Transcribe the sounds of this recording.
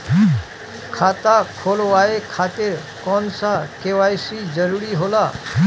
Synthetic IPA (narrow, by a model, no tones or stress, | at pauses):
kʰat̪akʰolʋaekʰat̪eɾkɔnsakeʋajsid͡ʒəɾuɾiɦola